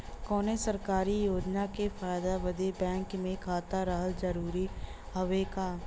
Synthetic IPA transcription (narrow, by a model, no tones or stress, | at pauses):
kɔːnesɐɾkaːɾijoːd͡ʒnakefʰaːjd̪abɐd̪ebɛ̃ːŋkmẽkʰaːt̪aɾəɦəld͡ʒɐɾuːɾi | hɐʋeka